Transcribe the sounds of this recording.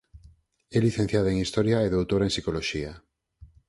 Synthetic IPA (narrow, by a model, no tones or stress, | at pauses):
ɛliθẽn̟θjaðoeŋist̪ɔɾjaeðowt̪oɾeŋsikoloʃia